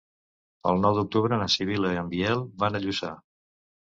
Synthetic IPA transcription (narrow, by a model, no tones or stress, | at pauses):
ə̰lˠnɔwðuk̚t̪uβɾəːnəsiβ̞iləiəmbiɛlˠβanəʎusa̰